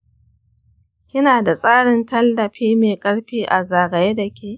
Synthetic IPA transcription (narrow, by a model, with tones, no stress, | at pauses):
kʲɪ˦naː˨da˨sʼaː˦ɽɪ˨ntɐ˦lːɐ˨ɸeː˦meː˨kʼɐ˦ɽɸiː˦ʔa˨zaː˨ɡɐ˨je˦dɐ˨kʲʰeː˦˨